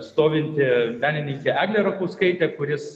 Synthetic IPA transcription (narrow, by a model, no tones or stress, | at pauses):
st̪oːʋʲɪnʲt̪ʲɪʋʲæːnʲɪnʲɪŋʲkʲeːæːɡlʲeːɾɐkuːskɐɪt̪ʲeːkʊɾʲɪs